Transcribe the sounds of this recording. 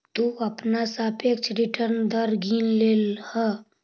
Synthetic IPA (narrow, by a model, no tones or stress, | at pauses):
t̪uɐpnasaːpʰekt͡ʃʰɾɪʈəɾnd̪əɾɡʱiːnleːlhə